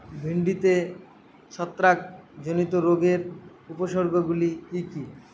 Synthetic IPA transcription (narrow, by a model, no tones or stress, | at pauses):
bʱiɳɖit̪e | ʃɔt̪ːɾak̚d͡ʑonit̪oɾoɡeɾ | upoʃoɾɡoɡulikiki